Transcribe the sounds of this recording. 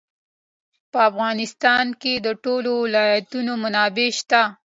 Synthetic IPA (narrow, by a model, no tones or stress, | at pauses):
pəafɣɑnɪst̪ɑnked̪əʈolowɪlɑjat̪unomanɑbeʃt̪a